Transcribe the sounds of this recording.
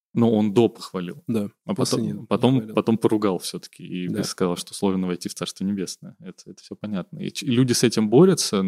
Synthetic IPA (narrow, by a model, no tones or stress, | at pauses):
nuo̞nd̪o̞pə̥xvɐlʲilˠd̪aɐpɐt̪opɐt̪o̞mpɐt̪o̞mpəɾʊɡalˠfsʲɵt̪ə̥kʲɪiskɐzɑlˠʂt̪oslˠo̞ʐnəvɐjtʲift̪sarst̪vənʲɪbʲe̞snəjəɛt̪əɛt̪ə̥fsʲopɐnʲat̪̚nəḭilʲudʲɪsɛtʲɪmbo̞ɾʲɪt̪sə